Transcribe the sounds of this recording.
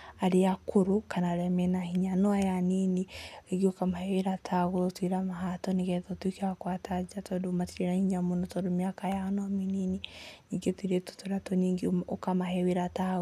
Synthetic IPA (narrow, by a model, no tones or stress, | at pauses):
aɾeakʰoɾokanaɾɛmɛnahiɲanɔajanineeɡeokamahɛweɾatʰaɣoɾɔtwiɾamaɦatɔneɣɛtɔtwikeakwatad͡ʒatɔdomatiɾenahiɲamonɔtɔdomjakajanɔaminineɲiŋɡetwiɾeto̥toɾatɔɲiŋɡeokamahɛweɾata